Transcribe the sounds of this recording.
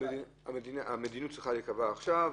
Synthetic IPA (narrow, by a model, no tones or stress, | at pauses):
ei | a̰medinaʔamed̪inut̚t͡sʁiχalekavaːχʃav